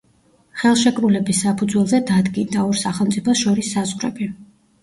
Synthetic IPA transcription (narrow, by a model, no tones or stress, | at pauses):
χɛlˠʃɛkʼɾulɛbisːapʰud̪zwɛlˠzɛd̪ad̪ɡind̪aɔɾsaχɛlˠmt̪sʼipʰɔsʃɔɾisːazʁɾɛ̰bi